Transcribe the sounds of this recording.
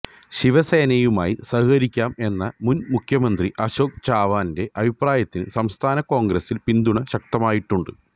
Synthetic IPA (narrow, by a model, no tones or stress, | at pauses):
ɕiʋɐse̞ːnɐjuma̰ːjisɐɦikɐɾikʲːaːme̞nːɐmunmukʰjɐmɐnd̪riʔɐɕoːk̚t͡ɕaːʋaːnde̞ʔɐbʱipraːjɐt̪ːinɨ̰sɐmst̪ʰaːnɐko̞ːŋɡɾesilpind̪uɳɐɕɐk̚t̪ɐmaːjiʈːuɳɖɨ